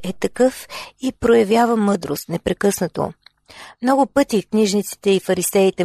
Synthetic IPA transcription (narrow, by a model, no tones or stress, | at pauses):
ɛt̪ɐkɤfipɾojɐvjavəmɤd̪ɾost̪nɛpɾɛkɤsnət̪o̰ | mnɔɡʊpɤt̪ikniʒnit̪si̥t̪ɛifɐɾisɛit̪ɛ